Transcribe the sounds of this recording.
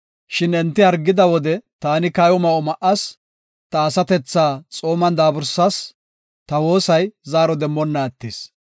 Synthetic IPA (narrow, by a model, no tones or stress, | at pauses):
ʃɪnɛnt̪ːɪɐɾɡːɪd̪ɐwɔd̪ɛt̪aːnɪkɐjɔmɐʔɔmɐʔɐs | t̪ɐːsɐt̪ɛt͡sːaːt͡sʼo̞ːmɐnd̪aːbʊɾsːɐs | t̪ɐwo̞ːsɐjzaːɾɔd̪ɛmːɔnːɐɛt̪ːes